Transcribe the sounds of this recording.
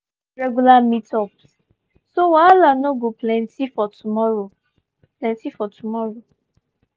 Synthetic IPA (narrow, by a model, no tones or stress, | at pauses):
ɹɛɡulamitɔps | sowalanoɡoplɛ̃ntifɔtumɔɹo | plɛ̃ntifɔtʰumɔɹo